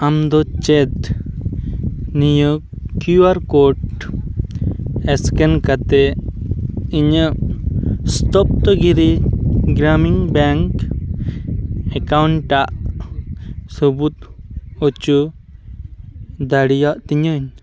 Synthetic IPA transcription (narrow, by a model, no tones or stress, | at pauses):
amd̪ɔt͡ʃɛt̪ | nijə | kuwaɾkɔʈ | ɛskɛnkat̪ɛ | iɲəmst̪ɔp̚t̪ɔɡiɾiɡɾamiŋbɛŋk | ɛkawɳʈaʔ | subut̪̚ɔt͡ʃu | d̪aɽijaʔt̪iɲəɲ